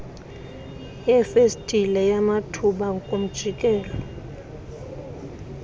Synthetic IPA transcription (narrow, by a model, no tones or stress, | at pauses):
jɛfestʼilɛjamatʰuɓaŋkʼom̩d̥ʒ̥ʱikʼɛːlɔ